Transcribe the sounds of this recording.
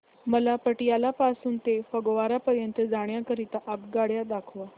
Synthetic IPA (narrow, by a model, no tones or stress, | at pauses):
məlapəʈijalapasuːnt̪efəɡʋaɾapəɾjənt̪əd͡zaɽ̃jakəɾit̪aʔabɡaɽjad̪akʰʋa